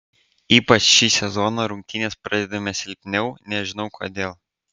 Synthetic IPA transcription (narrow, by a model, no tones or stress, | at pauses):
iːpɐt͡ʃʃʲiːsʲɛzɔːnɐɾʊŋʲk̚ʲt̪ʲɪnʲeːspɾɐd̪ʲɛd̪ɐmʲɛsʲɪlʲpʲnʲɛʊnʲɛʒʲɪnɒʊkʰoːd̪ʲeːlˠ